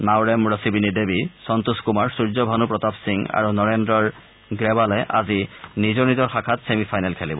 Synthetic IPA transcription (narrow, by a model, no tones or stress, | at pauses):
nawɹɛmɹɔsibinidebisɔnt̪uskumaɹsuɹzɔbʱanupɹɔtapsiŋa̰ɹunɔɹɛndɹɔɹ | ɡɹɛbalɛʔazinizɔɹnizɔɹxakʰatsemipʰajnalkʰɛlibɔ